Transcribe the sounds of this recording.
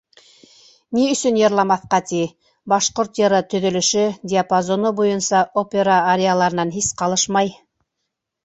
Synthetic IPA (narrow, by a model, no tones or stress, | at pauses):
niɵ̆sɵnjɤ̆ɾlˠɑmɑθqɑt̪i | bɑʃqoɾt̪jɤ̆ɾɤt̪ɵ̆ðɵ̆lɵ̆ʃɵdʲɪapazonɤbujɤnsɑʔopʲeɾaːɾʲealˠɑɾɤ̆nɑnɦisqɑlˠɤʃmɑj